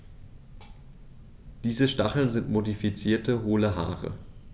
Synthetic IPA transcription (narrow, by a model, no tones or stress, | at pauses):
d̥iːzəʃtaχl̩nzɪntmodifit͡siːɐtəɦoːləɦa̰ːʁə̰